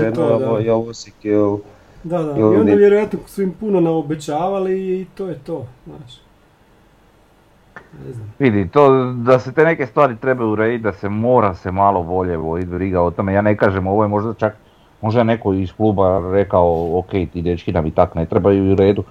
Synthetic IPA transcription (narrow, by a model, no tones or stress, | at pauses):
ɛnoooioʋosikil | d̪ad̪aionaʋjeɾojat̪noksuimpunonaobet͡ɕaːʋaliːt̪oːjet̪oːznaːʃ | neznaʋid̪it̪oːd̪aset̪eneke̞st̪ʋaːɾit̪ɾe̞bajuuɾeːd̪it̪̚ʲd̪ase̞mo̞ːɾase̞malˠo̞bo̞ʎe̞bojit̪bɾiɡao̞t̪ome̞jaːnekaːʒemo̞ʋojemo̞ʒd̪at͡ʃak | mo̞ʒd̪aene̞koiskluːbaɾe̞kaooke̞jt̪id̪et͡ʃkinamit̪akne̞t̪ɾebajuiuɾe̞ːd̪u